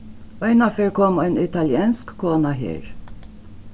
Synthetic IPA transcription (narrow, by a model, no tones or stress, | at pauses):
ʔɔjnɐfɪɾkɔmɔjnɪt̪ɐljɛnskkɔːnɐɦɛ̰ːɾ